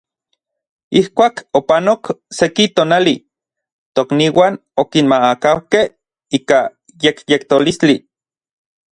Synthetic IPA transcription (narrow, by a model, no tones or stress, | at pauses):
ihkʷaːkopanoksekit̪oːnali | t̪okniːwaːn | okinmaakawkeh | iːka | jekjekt̪olist͡ɬi